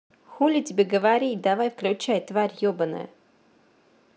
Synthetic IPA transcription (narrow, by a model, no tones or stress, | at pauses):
xulʲɪtʲɪbʲeɡəvaɾʲid̪avajfklʲʊt͡ɕajt̪vaɾʲjobənə̰j